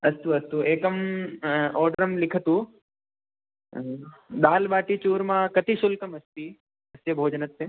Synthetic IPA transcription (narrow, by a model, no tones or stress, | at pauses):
ɐst̪uɐst̪ueːkɐm | ɔːɾɖəɾɐmlɪkʰət̪u | d̪aːlbaːʈit͡ʃuːɾmãːkɐt̪iʃʊlkɐmɐst̪i | ɐsjɐbʱoːd͡ʒnɐt̪ːeː